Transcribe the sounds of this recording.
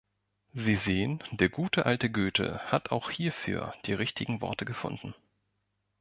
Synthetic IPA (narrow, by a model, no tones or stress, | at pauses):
ziːzeːənd̥eːɐɡuːtʰəʔaltəɡøːtʰə̰hata̰ʊxhiːɐfy̰ːɐd̥iːʁɪçtɪɡŋ̩vɔ̰ɐtəɡəfʊ̰ndn̩